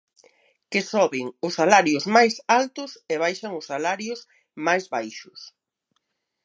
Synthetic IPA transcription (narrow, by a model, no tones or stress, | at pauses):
kɪsɔβɪŋʊsːalaɾjʊzmajsalt̪ʊseβ̞ajʃaŋʊsːalaɾjʊs | majzβajʃʊs